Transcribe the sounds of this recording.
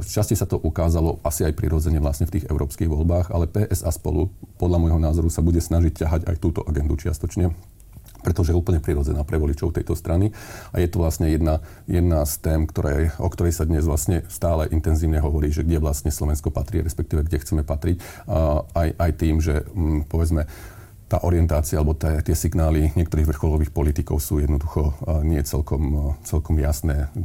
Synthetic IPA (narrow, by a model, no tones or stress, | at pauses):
ʃt͡ʃascɛsat̪ɔʔukaːzalɔʔasiajpɾḭɾɔd͡zɛɲɛʋlasɲɛft̪iːɣɛ̰ʊɾʔɔːpskiːɣʋɔlbaːɣa̰lɛpɛːʔɛzaːspɔ̰lupɔd̪ʎamɔjɦɔnaːzɔɾusabuɟɛsnaʒiccaɦaɟa̰jt̪uːt̪ɔ̰ʔaɡɛnd̪ut͡ʃɪa̰st̪ɔt͡ʃɲɛ | pɾɛt̪ɔʒɛjɛuːpl̩ɲɛpɾiɾɔd͡zɛnaːpɾɛʋɔlit͡ʃɔʊt̪ɛjt̪ɔst̪ɾʔania̰jɛt̪ɔʋlasɲɛjɛd̪na | jɛd̪naːst̪ɛːmkt̪ɔɾɛʔɔkt̪ɔɾɛjsad̪ɲɛzʋlasɲɛst̪aːlɛʔint̪ɛnziːʊɲɛɦɔʋɔɾiːʒɛɡɟɛʋlastɲɛslɔʋɛnskɔpat̪ɾiːɾɛspɛk̚t̪iːʋɛɡɟɛxt͡sɛmɛpat̪ɾic | ajʔajt̪iːmʒɛpɔʋɛd͡zmɛ | t̪a̰ːʔɔɾɪɛnt̪aːt͡sialɛbɔt̪ɛt̪ɪɛsiɡnaːliɲɪɛkt̪ɔɾiːɣʋr̩xɔlɔʋiːxpɔlit̪ikɔʊsuːjɛd̪nɔd̪uxɔɲɪɛt͡sɛ̰lkɔmt͡sɛlkɔmjasnɛː